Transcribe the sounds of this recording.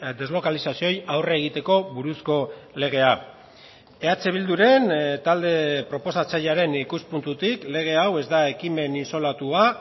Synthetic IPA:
d̪e̞zlo̞kalisasio̞jawreːɣ̞it̪e̞ko̞βuɾusko̞le̞ɣ̞e̞a | e̞at͡se̞β̞ild̪uɾe̞nt̪ald̪e̞pɾo̞po̞sat͡saʎaɾe̞nikuspunt̪ut̪ikle̞ɣ̞e̞awe̞zd̪ae̞kime̞ninso̞lat̪ua

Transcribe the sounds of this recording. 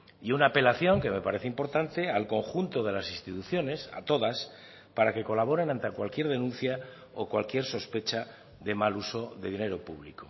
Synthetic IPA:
iunaːpe̞laθjo̞ŋke̞me̞paɾe̞θeimpo̞ɾt̪ant̪e̞alko̞ŋxunt̪o̞ð̞e̞lasĩnst̪it̪uθjo̞ne̞sa̰t̪o̞ðas | paɾake̞ko̞laβ̞o̞ɾe̞nãnt̪akwalkje̞ɾð̞e̞nũn̟θja | okwalkje̞ɾso̞spe̞t͡ʃa | ðe̞maluso̞ðe̞ðine̞ɾo̞pṵβliko

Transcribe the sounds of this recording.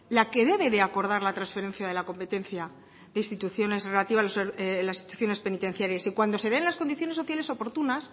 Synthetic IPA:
lake̞ðe̞βe̞ðe̞ako̞ɾð̞aɾlat̪ɾansfe̞ɾẽ̞nθjaðe̞lako̞mpe̞t̪e̞nθja | ðeist̪it̪uθjo̞ne̞sre̞lat̪iβaloselasisit̪uθjo̞ne̞spe̞nit̪e̞n̟θjaɾjasikwand̪o̞se̞ðe̞nlasko̞nd̪iθjo̞nesːo̞θjale̞so̞po̞ɾt̪unas

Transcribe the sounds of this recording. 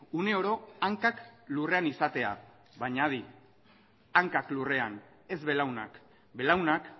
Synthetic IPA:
une̞o̞ɾo̞aŋkaklure̞anisat̪e̞a̰ | βaɲaði | aŋkaklure̞an | e̞zβe̞lawna̰k | be̞lawnak

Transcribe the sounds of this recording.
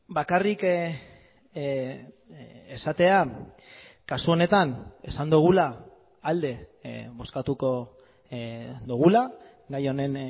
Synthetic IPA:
bakarik | esat̪e̞a | kasuo̞ne̞t̪ane̞̰sand̪uɣ̞ulaː | ld̪e̞βo̞skat̪uko̞ | d̪uɣ̞ula | ɡajo̞ne̞n

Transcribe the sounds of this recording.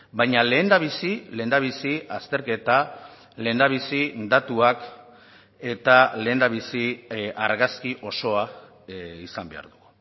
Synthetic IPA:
bajɲale̞ːnd̪aβ̞isile̞ːnd̪aβisiast̪e̞ɾke̞t̪a | le̞ːnd̪aβ̞isind̪at̪uak | e̞t̪ale̞ːnd̪aβisiaɾɣaskiʔo̞so̞a | isambe̞̰a̰ɾðuɣu

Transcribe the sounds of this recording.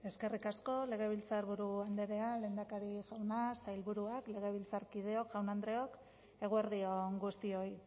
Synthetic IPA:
e̞ske̞rikasko̞le̞ɣ̞e̞β̞ilt͡saɾβuɾuand̪e̞ɾe̞ale̞ːnd̪akaɾiʝawnasajlβuɾuakle̞ɣ̞e̞β̞ilt͡saɾkið̞e̞o̞kʝawnand̪ɾe̞o̞k | e̞ɣ̞ueɾðio̞ŋɡust̪io̞j

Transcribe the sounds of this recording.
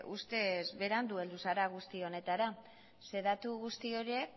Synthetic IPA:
ʔust̪e̞zβe̞ɾand̪ue̞ld̪usaɾaɣ̞ust̪io̞ne̞t̪aɾa | se̞ðat̪uɣust̪io̞ɾie̞k

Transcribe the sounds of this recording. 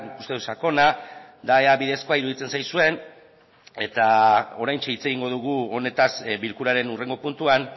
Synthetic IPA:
ku̥st̪e̞ðusako̞nad̪aeaβiðe̞sko̞aiɾuðit͡se̞nsajsue̞n | e̞t̪ao̞ɾajnt͡ʃeit͡se̞ɣiŋɡo̞ð̞uɣ̞uo̞ne̞t̪asbilkuɾaɾe̞nure̞ŋɡo̞punt̪uan

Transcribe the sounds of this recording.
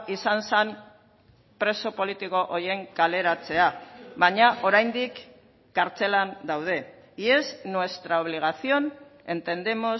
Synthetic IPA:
isansan | pɾe̞so̞po̞lit̪iko̞ʔoje̞ŋkale̞ɾat͡se̞aβaɲaʔo̞ɾajnd̪ikː | aɾt͡se̞land̪awð̞e̞ | ie̞znwe̞st̪ɾao̞β̞liɣ̞aθio̞ne̞nt̪e̞nd̪e̞mo̞

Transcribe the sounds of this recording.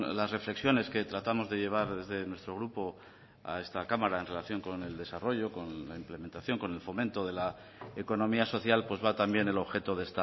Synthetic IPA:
lasre̞fle̞ksjo̞ne̞ske̞t̪ɾat̪amo̞zðe̞ʝe̞β̞aɾðe̞zðe̞nwe̞st̪ɾo̞ɣɾupo̞ | a̰e̞st̪akamaɾaenre̞laθjo̞ŋko̞ne̞ld̪e̞saro̞ʝo̞ko̞nlaimple̞me̞nt̪aθjo̞ŋko̞ne̞lfo̞mẽnt̪o̞ð̞e̞la | eko̞nõ̞miaso̞θjalpwe̞zβat̪ambjene̞lo̞βxe̞t̪o̞ðest̪a

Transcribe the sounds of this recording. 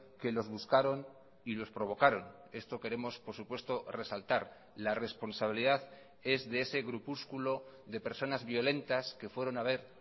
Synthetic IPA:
ke̞lo̞zβuskaɾo̞n | ilo̞spɾo̞β̞o̞kaɾo̞n | e̞st̪o̞ke̞ɾe̞mo̞spo̞ɾsupwe̞st̪o̞re̞salt̪aɾ | lare̞spo̞nsaβ̞iliðað | e̞zðe̞ese̞ɣɾupuskulo̞ðe̞pe̞ɾso̞nazβjo̞le̞nt̪aske̞fwe̞ɾo̞naβ̞e̞ɾ

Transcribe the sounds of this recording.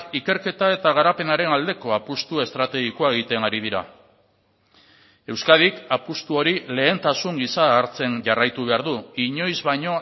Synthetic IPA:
ike̞ɾke̞t̪ae̞t̪aɣ̞aɾape̞naɾe̞nald̪e̞ko̞apust̪ue̞st̪ɾat̪e̞ɣikoaeɣ̞it̪e̞naɾið̞iɾa̰ | e̞wskað̞ikapust̪uo̞ɾile̞ːnt̪asuŋɡisaːɾt͡se̞nʝarajt̪uβ̞e̞aɾðuiɲo̞jzβaɲo̞

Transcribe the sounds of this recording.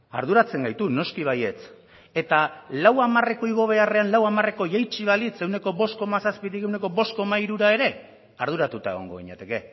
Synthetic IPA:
a̰ɾðuɾat͡se̞ŋɡajt̪uno̞skiβ̞aje̞t͡s | e̞t̪alawamare̞ko̞iɣ̞o̞β̞e̞are̞anlawamare̞ko̞jajt͡ʃiβ̞alit͡se̞wne̞ko̞βo̞st̪ko̞masaspit̪ike̞wne̞ko̞βo̞stko̞maiɾuɾae̞ɾe̞ | aɾðuɾat̪ut̪ae̞ɣ̞o̞ŋɡo̞ɣ̞iɲet̪e̞ke̞

